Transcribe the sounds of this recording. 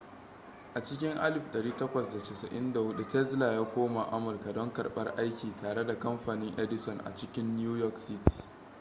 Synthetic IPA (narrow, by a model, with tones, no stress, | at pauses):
ʔa˨t͡ʃɪ˦kʲɪ˦ŋʔa˦lɪ˨ɸɗɐ˨ɽiː˦tɐ˦kʷɐ˨sda˨tɪ˨sɐ˨ʔɪ˦nda˨hʊ˦ɗu˦tɛ˦zla˨jaː˦kʷoː˦ma˨ʔa˦mʊ˨rka˨dɔ˦ŋkɐ˨rɓɐ̰˦rʔa˦jkʲiː˨taː˨ɽe˦da˨kɐ˦mɸaː˨nɪ˦ŋʔɛ˦dɪ˨sɔ˨nʔa̰˨t͡ʃɪ˦kʲɪ˦nː˦uː˦jɔ˦ksɪ˦ti̥˨